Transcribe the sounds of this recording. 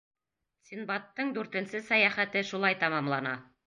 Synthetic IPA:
sʲinbɑt̪ːɤɴd̪ʉɾt̪ɘ̆nsɘsæjæχæt̪ɘʃulˠɑjt̪ɑmɑmlˠɑnɑ

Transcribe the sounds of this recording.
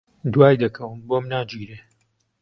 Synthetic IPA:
d̪waːjd̪ɐkʰɐwɨnbomnaːd͡ʒiːɾeː

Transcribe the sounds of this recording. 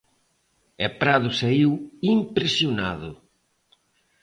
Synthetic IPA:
epɾaðʊsaiwimpɾesjona̰ðʊ

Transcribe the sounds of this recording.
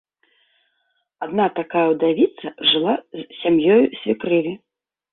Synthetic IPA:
ad̪nat̪akajɐwd̪avʲit̪sɐʐɨlˠazsʲamjɔjusʲvʲikɾɨvʲi

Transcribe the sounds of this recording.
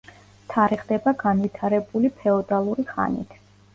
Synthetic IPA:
t̪ʰaɾɛχd̪ɛbaɡanvit̪ʰaɾɛbulipʰɛɔd̪alˠuɾiχa̰nḭt̪ʰ

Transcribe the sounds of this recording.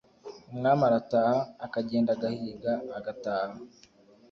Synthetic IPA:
umŋaːmaɾataːhaːkaɟeːndaɡahiːɡaːɡataːha

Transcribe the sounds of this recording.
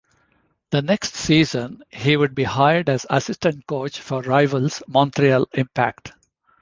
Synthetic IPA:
d̪̥əneksʈsiːzə̃nhiːʋʊɖ̚biːhaɪəɖæzə̰sɪsʈə̃ɳʈ̚koːt͡ʃfɔɾɾaɪʋəlzmɔ̃nt̪ɾiəlɪ̃mpækʈ

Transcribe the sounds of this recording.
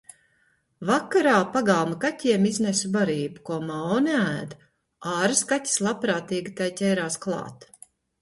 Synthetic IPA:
vakːaɾaːpaɡalˠmakat̪ʲiɛmiznesubaɾiːbukuɔmaɔniæːd̪ | ɑːɾɨskatʲi̥slˠapɾaːt̪iːɡit̪ajt̪ʲɛjɾaːsklˠɑ̰ːt̪

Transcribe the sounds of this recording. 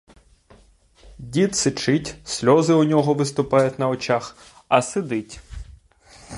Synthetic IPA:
dʲit̪sɪt͡ʃɪtʲsʲlʲɔzɪʊnʲɔɦɔʋɪst̪ʊpɑjʊtʲnɐɔt͡ʃax | ɐsɪd̪ɪtʲ

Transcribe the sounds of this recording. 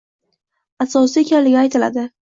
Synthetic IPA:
asɒsɪekʲʰanlɪɡʲɪajt̪ʰɪla̰d̪ɪ

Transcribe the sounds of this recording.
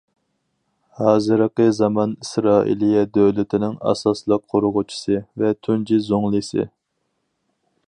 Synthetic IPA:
hɑːzɨɾəqəzɑmɑnisɾɑːʔḭlijɛd̪øwlɪt̪ʰɪnɪŋɑ̰sɑslˠəq̚qʰːoɾʊʁʊt͡ʃʰi̥sɨvɛt̪ʰynd͡ʒizoŋlˠɨsɨ̰

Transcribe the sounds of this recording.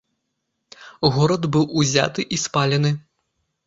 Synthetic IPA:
ɣɔɾɐd̪bɨwuzʲa̰t̪ɨʔispalʲɛnɨ

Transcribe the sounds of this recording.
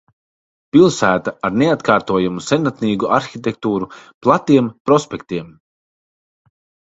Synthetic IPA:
pilˠsæːt̪aaɾneat̪kaːɾt̪uɔjamusɛnat̪niːɡuʔaɾxʲit̪ʲekt̪uːɾuplˠat̪iɛmpɾɔspʲɛkt̪iɛm

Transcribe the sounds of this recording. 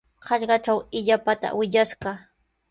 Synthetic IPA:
hɑʎɢɑʈ͡ʂawɪʎapat̪a̰wɪʎaʃɢɑ

